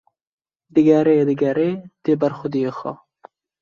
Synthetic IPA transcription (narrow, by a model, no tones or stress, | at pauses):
d̪ɨɡɐɾeːd̪ɨɡɐɾeːd̪̥ebɐɾxʊd̪ijexɔ̰